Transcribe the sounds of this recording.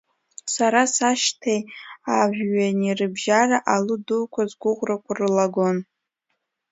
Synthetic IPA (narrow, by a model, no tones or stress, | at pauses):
saɾasaʃtʰejaʒᶣɥanirɨbʒaraʔalɨdulkʷʰazɡʷʊʁʷrakʷʰarɨlaɡon